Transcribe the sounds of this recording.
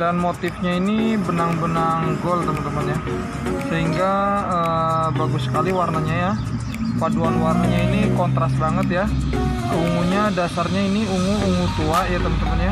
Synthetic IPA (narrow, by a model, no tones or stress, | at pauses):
danmot̪ɪfɲainibənaŋbənaŋɡɔlt̪əmənt̪əmanɲa | səɦiŋɡaəːbaɡusə̥kaliwarnaɲaja | paduanwarnaɲainikɔnt̪ɾasbaŋət̪ja | əuŋuɲadasarɲainiuŋuuŋut̪uaʔjat̪əmənt̪əmənɲa